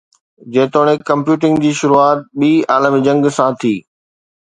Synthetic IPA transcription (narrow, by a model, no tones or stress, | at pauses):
d͡ʑɐ̃ːt̪oːɽ̃ekɐ̃mpjuːʈɪ̃ŋɡd͡ʑiːʃʊɾuaːt̪̚ɓiːaːləmid͡ʑɐ̃ŋɡsãt̪ʰiː